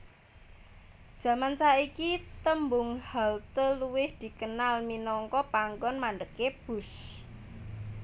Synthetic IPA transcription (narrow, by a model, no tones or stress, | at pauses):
d̥ʒ̥ä̤mansaikit̪əmbʊŋhalt̪əluwɪhd̪̥i̤kənalminɔŋkɔpaŋɡɔnmanɖ̪əkeb̥ʊ̤s